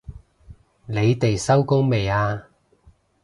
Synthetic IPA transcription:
ne˨˧jt̪e˨jsɐ˥wkʊ˥ŋme˨jaː˧

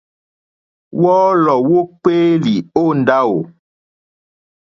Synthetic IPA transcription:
wɔː˦lɔ˨wo˦k͡peː˦li˨o˦˨n̩˨da˦wo˨

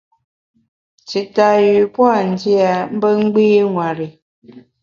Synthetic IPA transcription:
t͡si˨ta˨jʉ˨pwa˦˨n̩˨˦di˦a˨m̩˦bə˦ŋ̩˦ɡ͡biː˦ŋwa˨ɾi˨

